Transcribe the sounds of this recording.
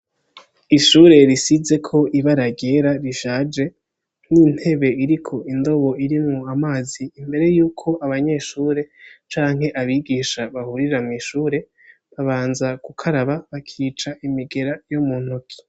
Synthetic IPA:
iʃuːɾe̞ɾisize̞kʰo̞ʔiβaɾaɟe̞ɾaɾiʃaːd͡ʒe̞ | nin̥he̞βe̞iɾikʰo̞indo̞βo̞iɾimŋuamaːziːmbe̞ɾe̞juːkʰo̞ʔaβaɲe̞ːʃuːɾe̞t͡ʃaːŋhɦe̞ʔaβiɡiʃaβahuɾiɾamŋiʃuːɾe̞ | βaβaːnzakukʰaɾaβaβakʰiːt͡ʃaʔimiɡe̞ɾajomuːn̥hukʰi̥

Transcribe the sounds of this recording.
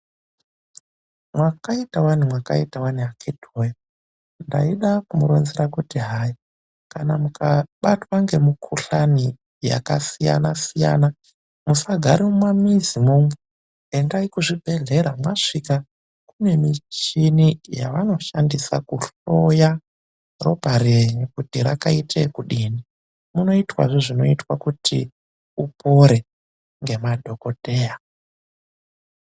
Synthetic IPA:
mwakaitawanimwaka̰itawaniakʰedʱoja | nda̰iɗakumuɾonziɾakutiɦaji | kanamukaɓatwaŋɡe̞mukʰuɬani | ja̰kasija̰nasija̰na | musaɡʱaɾimumwamizimumu | endaikuʐibʱe̞ɮe̞ɾamwaʂika | kune̞mit͡ʃinija̰ʋano̞ʃandisa̰kuɬoja | ro̞paɾeɲikutiɾakaitʰe̞kuɗiːni | muno̞itwa̰ʐeʐino̞itwakutʰḭ | upʰo̞ɾe̞ | ŋɡe̞madʱo̞ko̞te̞ːja

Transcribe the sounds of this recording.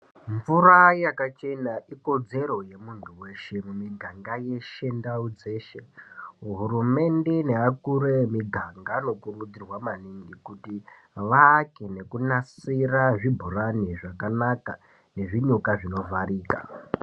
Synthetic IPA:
ɱvuɾajakat͡ʃe̞naʔiko̞d͡ze̞ɾo̞je̞muntʰuwe̞ʃe̞mumiɡʱaŋɡaje̞ʃe̞ndaud͡ze̞ːʃeɦuɾume̞nde̞ne̞akuɾemiɡʱaŋɡano̞kurud͡zirwamaniŋɡikuti | ʋaːkene̞kunasiraʐibʱuɾaniʐakanaka | ne̞ʐiɲukaʐino̞vʱaɾiːka̰

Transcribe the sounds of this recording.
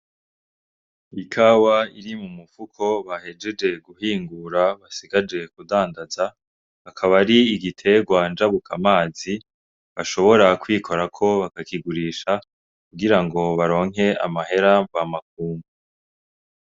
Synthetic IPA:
ikʰawaiɾimumufukʰo̞βahe̞d͡ʒe̞d͡ʒe̞ɡuhiːŋɡuɾaβasiɡad͡ʒe̞kudaːndaza | βakʰaβaɾiːɡitʰe̞ɡwand͡ʒaβukʰamaːzi | βaʃo̞βo̞ɾakwiːkʰo̞ɾakʰo̞βakakiɡuɾiːʃa | kuɡiɾaŋɡo̞βaɾo̞ːŋe̞a̰mahe̞ɾavamak̚uːmbu

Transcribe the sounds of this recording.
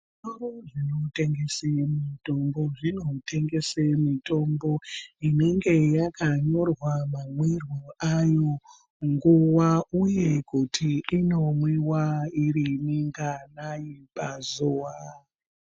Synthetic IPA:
soroʐinote̞ŋɡe̞semito̞mbo̞ʐino̞te̞ŋɡe̞semito̞mbo̞ine̞ŋɡe̞jakaɲo̞rwamamwirwoajo̞ | ŋɡuwauje̞kutʰiːno̞mwiwaiɾiniŋɡanajipazuːwa

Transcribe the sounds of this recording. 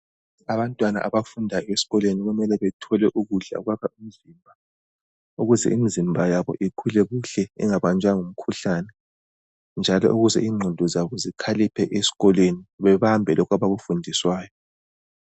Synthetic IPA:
aβantʼwana̰ʔaβafundʱajɔesi̥ɣɔlweniɣumɛlɛβɛtʰɔlɛʔuɣuɬa̰uɣwaβaim̩izimbʱa | uɣuzɛ̰ʔimizimbʱajaβɔ̰ʔiǃʰulɛɣuɬɛḭŋaβant͡ʃʼaŋum̩kʰuɬanɛ | nd͡ʒʱalɔ̰ʔuɣuzɛiːŋ͡ǃʱundʱɔzaβɔzikʰalipʰɛʔesi̥ɣɔlweniβɛβambʱɛlɔkʰaβaɣufundʱiswaːjɔ

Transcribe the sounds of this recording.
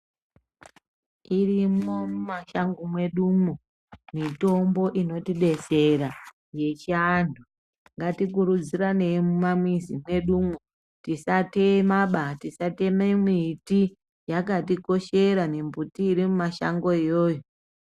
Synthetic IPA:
irimo̞mumaʃaŋɡomwe̞ɗumu | mito̞mbo̞ʔino̞tiɗe̞se̞ɾa | je̞t͡ʃiandʱu | ŋɡatikuɾud͡ziɾane̞mumamwizimwe̞ɗumu | tisatemaɓatisatememwiti | jakatiko̞ʃe̞ɾane̞mbutiːɾimumaʃa̰ŋɡo̞ijo̞ːjo

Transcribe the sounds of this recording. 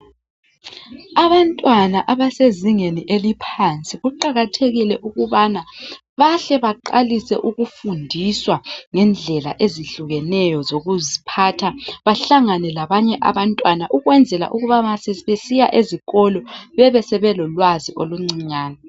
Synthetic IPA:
aβantʼwanaʔaβaseziŋeniʔelipʰant͡sʼiɣuǃaɣatʰeɣilɛʔuɣuβana | βaɬɛβaǃalisɛ̰ʔuɣufundʱiswaŋɛnd͡ɮʱɛla̰ʔeziɬuɣɛnɛjɔzoɣuzipʰatʰaβaɬaŋanɛlaβaɲɛʔa̰βantʼwanaʔuɣwɛnd͡zʱɛla̰ʔuɣuβamasɛβesijaʔeziɣɔlɔβɛβɛsɛβɛlɔlwaziʔoluŋ͡ǀiɲaːna

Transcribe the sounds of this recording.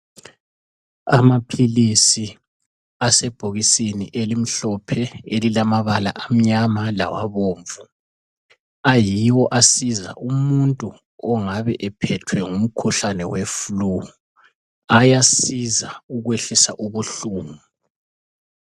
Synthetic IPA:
a̰mapʰilisi | asɛb̥ʱoɣisinḭʔelim̩ɬɔpʰɛelilamaβala̰ʔam̩ɲamala̰wa̰βoːɱvu | ajiwɔʔasiza̰ʔumuntʼu | ɔŋaβɛʔɛpʰɛtʰwɛŋum̩kʰuɬanɛwefulu | ajasizauɣweɬisa̰ʔuβuɬuːŋu

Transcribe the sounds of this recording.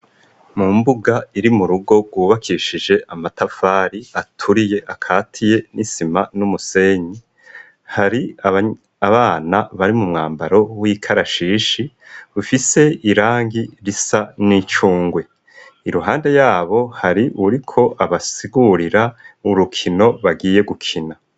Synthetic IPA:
muːmbuɡaiɾimuɾuɡo̞ɡɡwuːβakʰiʃid͡ʒe̞ʔamatafaːɾiatʰuɾije̞ʔakʰaːtʰije̞nisimanumuse̞ɲi | haɾi | aβaːnaβaɾimumŋaːmbaɾo̞wiːkʰaɾaʃiːʃi | ɾufise̞iɾaːŋɡiɾisanit͡ʃuːŋɡwe̞ | iɾuɦaːnde̞jaːβo̞haɾiʔuɾikʰo̞ʔaβasiɡuɾiɾauɾukʰino̞βaɡiːje̞ɡukʰina

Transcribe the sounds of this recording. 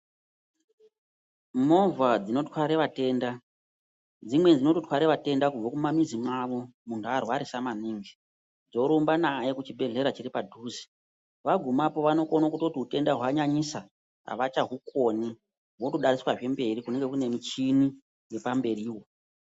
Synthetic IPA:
mo̞vad͡zino̞twaɾeʋate̞ːnda | d͡zimwe̞nd͡zino̞totʰwaɾeʋate̞ndakub͡vokumamizimwaʋo̞muntʰuarwaɾisamaniːŋɡi | d͡zo̞ɾombanaje̞kut͡ʃibʱe̞ɮe̞ɾat͡ʃiɾipadʱuːzi̥ | ʋaɡʱumapo̞ʋano̞konokutotiute̞ndaɦwaɲaɲisa | a̰ʋat͡ʃaɦukoni | ɦwotoɗaɾiswaʐe̞mbe̞rikune̞ŋɡe̞kune̞mit͡ʃini | je̞pambe̞riːwo

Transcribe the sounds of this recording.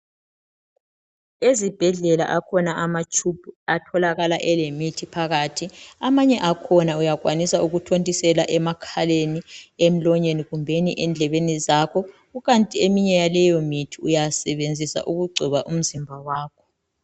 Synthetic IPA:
ezib̥ʱɛɮɛla̰ʔakʰɔnaʔamat͡ʃʰʼup̚ʰuatʰɔlaɣalaʔɛlemitʰipʰaɣatʰiamaɲɛʔakʰɔnaujaɣʼwanisauɣutʰontʼisɛlaʔɛmakʰaleniem̩lɔɲeniɣumbʱeniʔɛnd͡ɮʱɛβenizakʰɔ | ɣuɣantʼiemiɲɛjalɛjomitʰiujasɛβend͡zʱisa̰ʔuɣuɡ͡ǀʱiβaʔum̩zimbʱawaːkʰɔ̥

